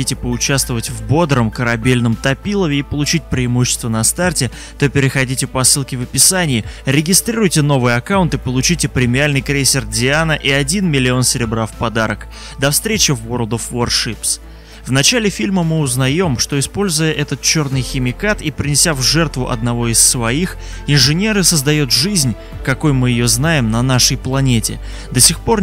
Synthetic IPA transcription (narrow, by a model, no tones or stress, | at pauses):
itʲɪpəʊt͡ɕast̪vəvətʲvbo̞d̪ɾəmkəɾɐbʲelʲnəmt̪ɐpʲilˠəvʲɪːpəlˠʊt͡ɕit̚ʲpɾʲɪɪmuɕːɪ̥st̪vənɐst̪artʲɪ | t̪o̞pʲɪɾʲɪxɐdʲitʲɪpəɐsːɨlˠkʲɪvəpʲɪsanʲɪjɪɾʲɪɡʲɪst̪ɾʲiɾʊjtʲɪno̞vɨjɐkaʊnt̪ɨpəlˠʊt͡ɕitʲɪpɾʲɪmʲɪalʲnɨjkɾʲejsʲɪrdʲɪanəʔiɐdʲinmʲɪlʲɪo̞nsʲɪɾʲɪbɾafpɐd̪aɾək | d̪ɐfst̪ɾʲet͡ɕɪvorlˠd̪əfːorʂɨps | vnɐt͡ɕalʲɪfʲilʲməmɨʊznɐjo̞mʂt̪o̞ɪspo̞lʲzʊjəʔɛt̪ət̪̚t͡ɕo̞rnɨjxʲɪmʲɪkat̪ipɾʲɪnʲɪsʲavʐɛrt̪vʊ̰ʔɐ̰d̪̚nɐvo̞ɪsːvɐix | ɪnʐɨnʲe̞ɾɨsəzd̪ɐjot̪ʐɨzʲnʲ | kɐko̞jmɨjɪjo̞znajɪmnɐnaʂəjplˠɐnʲetʲɪ̰ | d̪əsʲɪxpo̞r